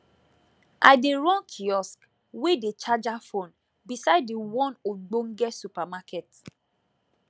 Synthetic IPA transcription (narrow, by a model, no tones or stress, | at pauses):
ʔa̰ɪdeɾɔ̃nkʰiɔsk | wedet͡ʃad͡ʒafõn | bisaɪdewɔ̃noɡ͡bõŋ̩ɡɛtsupamakɛt